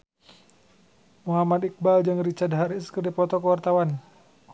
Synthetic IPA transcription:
muɦamad̪ik̚bald͡ʒɨŋrit͡ʃadɦaɾiskərdipɔt̪ɔkəwart̪awan

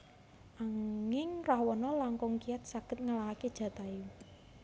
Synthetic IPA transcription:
ʔaŋɪŋrahwɔnɔlaŋkɔŋkijat̪̚saɡ̥ət̪̚ŋəlaɦaked̥ʒ̥ä̤t̪ai

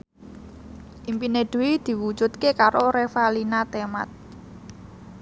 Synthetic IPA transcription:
ʔimpineɖ̪̥ṳwid̪̥i̤wu̥d͡ʒ̥ṳt̪̚kekaɾoɾefalinat̪ema̰t̪̚

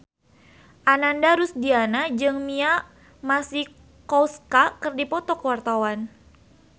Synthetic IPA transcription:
ʔanandaɾʊsdianad͡ʒɨŋmiaʔ | masih | kɔwskakərdipɔt̪ɔkəwart̪awan

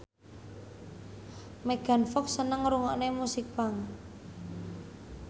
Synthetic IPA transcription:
meɡ̥a̤nfɔksənəŋɾuŋɔʔnemusik̚b̥aŋ

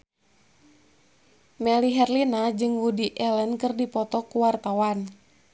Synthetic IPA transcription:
mɛliɦɛrlinad͡ʒɨŋwudiʔɛlənkɨrdipɔt̪ɔkuwart̪awan

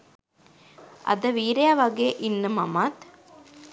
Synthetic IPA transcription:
ɐ̰d̪ɐʋiːɾejaʋɐɡeːʔinːəmɐmat̪

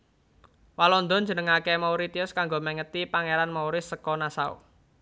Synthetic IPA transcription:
walɔnd̪ɔ̤n̥d͡ʒə̤nəŋakemauɾit̪iʊskaŋɡoməŋət̪ipaŋeɾanmauɾɪsːəkɔnasaṵ

